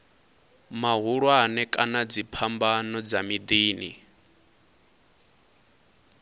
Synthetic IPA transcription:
maɦuɺwanɛkʼanad͡zipʰambanɔd͡zamid̪iːnḭ

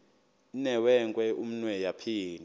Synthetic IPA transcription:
inɛwɛŋkʼwɛum̩nwɛjapʰiːn

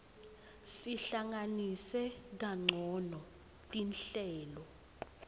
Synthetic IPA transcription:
siɬaŋanisɛk̬aŋ͡ǀʱɔnɔ | tʼinɬɛːlɔ

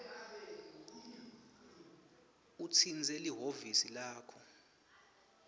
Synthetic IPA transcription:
utʰind͡zʱeliɦovisilaːkʰɔ

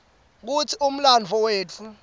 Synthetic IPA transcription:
k̬ut͡sʰium̩land͡vʱɔweːt͡fʰu

